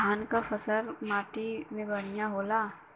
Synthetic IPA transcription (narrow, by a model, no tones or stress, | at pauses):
aːnkafɐsəɾmaːʈimẽbɐɽijãɦoːlaː